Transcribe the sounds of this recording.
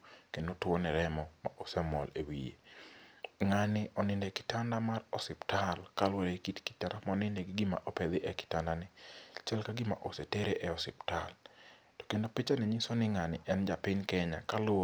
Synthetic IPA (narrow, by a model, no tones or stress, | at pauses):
kendotʊonɛɾɛmɔma̰ʔosɛmɔlewḭjḛ | ŋanɪʔɔnɪndɛkɪ̥tandamarɔsɪptalkalwoɾekitki̥taɾamɔnɪndɛɡɪɡɪma̰ʔɔpɛd̪ɪʔɛkɪ̥tandanɪt͡ʃɛlkaɡɪma̰ʔoseteɾeʔɛɔsɪptal | tɔ̥kendopɪt͡ʃanɛɲisɔnɪŋanɪʔɛnd͡ʒapɪɲkɛɲa̰kalʊo